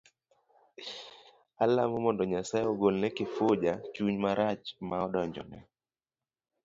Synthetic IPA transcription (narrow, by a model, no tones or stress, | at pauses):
alamɔmɔndɔɲasajɔɡolnɛkɪfod͡ʒat͡ʃuɲmaɾat͡ʃmaɔdɔɲd͡ʒɔ̰nɛ̰